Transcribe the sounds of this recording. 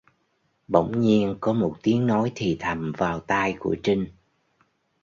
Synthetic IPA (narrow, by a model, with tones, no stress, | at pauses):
ɓə̰˧˩wŋ͡mɲi˧ənkɔ˨˦mo˨˩t̚t̪i˨˦əŋnɔ˨˦jt̪ʰi˨˩t̪ʰa˨˩mvaː˨˩wt̪aː˧jkṵ˧˩ət͡ɕi˧ŋ̟